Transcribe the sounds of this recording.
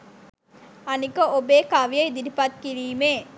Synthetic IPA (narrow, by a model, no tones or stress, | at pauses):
ɐnikəʔobeːkaʋijɐjd̪idipɐt̪kiɾiːmeː